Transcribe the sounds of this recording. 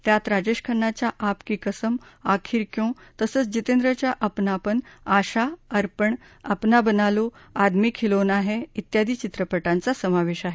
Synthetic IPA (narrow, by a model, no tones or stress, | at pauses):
t̪jat̪ɾad͡ʑeɕkʰəɳːat͡ɕjaʔapkiːkəsəmakʰiːɾkjõt̪əsəːt͡sd͡ʑit̪end̪ɾət͡ɕjaʔəpnapəɳaɕaəɾpəɳ | əpnabənaload̪mikʰːilonaɦeit̪jad̪ʱiːt͡ɕit̪ɾəpəʈãnt͡sasəmaʋeɕaɦe